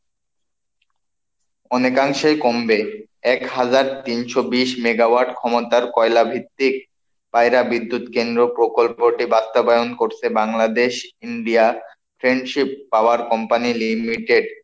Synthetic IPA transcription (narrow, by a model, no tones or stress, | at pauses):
ɔnekaŋʃekombe | ɛkɦad͡ʑaɾt̪inʃobiʃmeɡawaɾɖkʰɔmot̪aɾkɔelabʱit̪ːik̚ | pajɾabid̪ːut̪kend̪ɾopɾokolppoʈibast̪obajonkoɾt͡ɕʰebaŋlad̪eʃiɳɖia | pʰɾeɳɖʃipːaoaɾkɔmpanilimiʈeɖ